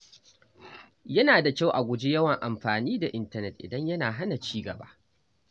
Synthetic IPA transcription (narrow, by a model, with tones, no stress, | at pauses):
jɐ˦naː˨da˨kʲa˦˨wʔa˨ɡʷʊ˨d͡ʒe˦jɐ˦wɐ˨ŋʔa˨mɸaː˨niː˦da˨ʔɪ˦ntɐ˦nɛ˨t̚ʔɪ̰˨dɐ˦ɲjɐ˦naː˨ɦa˦na˨t͡ʃiː˦ɡɐ˨ba̰ː˦ʔ